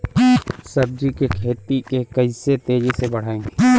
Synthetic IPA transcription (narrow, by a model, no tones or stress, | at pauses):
sɐb̚d̪ɾikekʰeːt̪ikekɐiset̪eːd͡ʒesebɐɽ̤aːẽːŋɡe